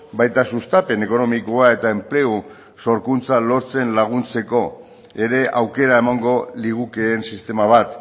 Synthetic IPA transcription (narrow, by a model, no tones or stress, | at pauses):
bajt̪asust̪ape̞ne̞ko̞no̞miko̞ae̞t̪ae̞mple̞u | so̞ɾkunt͡salo̞ɾt͡se̞nlaɣ̞unt͡se̞ko̞ | e̞ɾe̞ʔawke̞ɾae̞maŋɡo̞liɣ̞uke̞ːnsist̪e̞maβ̞at̪